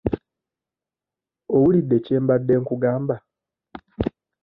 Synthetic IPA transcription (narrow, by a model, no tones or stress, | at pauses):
owulid̪ːe̞ceːmbadːe̞ːŋkuɡaːmba